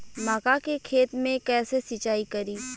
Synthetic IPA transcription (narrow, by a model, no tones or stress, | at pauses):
maːkakekʰeːt̪mẽkɛːsesɪt͡ʃaːikɐɾiː